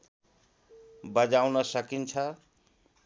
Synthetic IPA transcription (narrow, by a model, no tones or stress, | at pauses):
bʌd͡ʒawnʌsʌkint͡ʃʰʌ